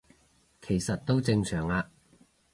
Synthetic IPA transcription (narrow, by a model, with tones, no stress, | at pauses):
kʰe˨˩jsɐ˨t̚t̪o˥wt͡sɪ˧ŋsœː˨˩ŋaː˧